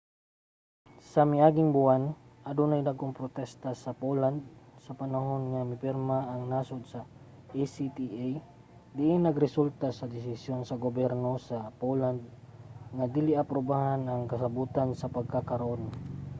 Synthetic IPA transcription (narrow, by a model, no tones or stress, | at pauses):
sɐmɪʔaːɡɪŋbʊanʔɐd̪unajd̪aɡoŋpɾot̪ɛst̪asɐpoland̪̚sɐpɐnaɦo̞nŋamɪpɪɾmaʔːŋnaːsod̪sɐ | ʔisit̪iʔaj | d̪ɪʔɪnːɐɡɾɪsult̪asɐd̪ɪs̬ɪsjonsɐɡobɛɾno̞sɐpoland̪̚ | ŋad̪ilɪɐpɾobahanɐŋkɐs̬ɐbuːt̪ansɐpɐɡ̚kakɐɾaʔon